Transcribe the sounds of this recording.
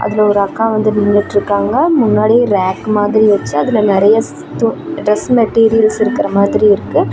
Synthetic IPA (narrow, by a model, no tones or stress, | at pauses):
ʔɐ̰ðɪlɐɔɾɯɐkːãːʋɐnd̪ɯnɪŋɡɐʈːɪɾɯkːaːŋɡɐmʊnːaːɽiɾaːkːmaːðɪɾiʋɐt͡ʃːɯɐðɪlɐnɛɾɐjɐ | t̪ɖɾɛsmɛʈːiːɾɪjɐlsɪɾɯkːɪɾɐmaːðɪɾiɪɾɯkːɯ